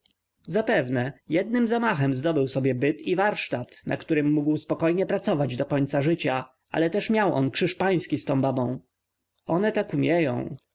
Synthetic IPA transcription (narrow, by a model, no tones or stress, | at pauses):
zapɛvnɛjɛd̪̚nɘmzamaxɛmzd̪ɔbɘwsɔbʲjɛbɘt̪ivaɾʂt̪at̪nʔa̰kt̪uɾɘmːuɡwspɔkɔjɲɛpɾat̪sɔvad͡ʑd̪ɔkɔɲt̪saʐɘt͡ɕa | ʔa̰lɛt̪ɛʂmʲjawʔɔ̰nkʂɘʂpaj̃skʲist̪ɔ̃w̃babɔ̃w̃ | ɔnɛt̪akumʲjɛjɔ̰̃w̃